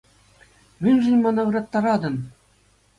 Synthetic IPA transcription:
mʲɘ̆nʲʐɘ̆nʲmɑnɑʋɯ̆ɾɑt̪ːɑɾɑd̪ɤ̆m

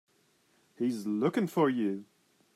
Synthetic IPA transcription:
hizlʊkɪ̃ŋfə˞jʉ

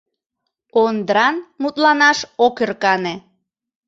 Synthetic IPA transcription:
ond̪ɾɑnmut̪lɑnɑʃokerkɑne

